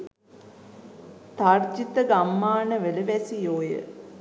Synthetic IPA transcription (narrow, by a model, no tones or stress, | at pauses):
t̪ard͡ʒit̪əɡamːaːnəʋələʋɛsijoːjə̰